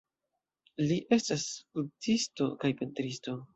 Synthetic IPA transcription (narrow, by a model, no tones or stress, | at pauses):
liʔe̞staskutisto̞kajpe̞ntɾisto̞